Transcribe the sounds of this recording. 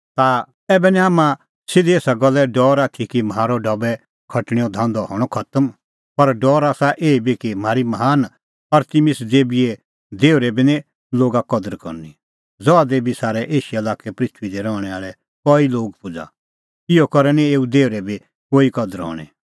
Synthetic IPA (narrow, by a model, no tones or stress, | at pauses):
t̪a | ɛːbɛniaːmã | sɪd̪ieːsaɡɔlːɛɖɔːɾaːt̪ʰikimɦaːɾɔɖɐbɛ | kʰɐʈɽ̃iːɔd̪ʱãːnd̪ɔɦɔ̰ːɽ̃ɔkʰɐt̪əm | pɐɾɖɔːɾaːsaʔeːibikimaːɾimɐɦaːn | ɐɾt̪imɪsd̪eːbie | d̪eːuɾɛbinɛ̃ | loːɡakɔd̪əɾkɔ̰ɾni | d͡zɔad̪eːbisaːɾɛʔeːʃiɐlaːkɛpɾɪt̪ʰʋid̪ɛɾɔ̃ːɛaːɭɛ | kɔiloːɡ̚pʊd͡za̰ | ɪjokɔɾɛnĩeːud̪eːʊɾɛbi | koːikɔd̪əɾɦɔ̰ːɽ̃ɛ̰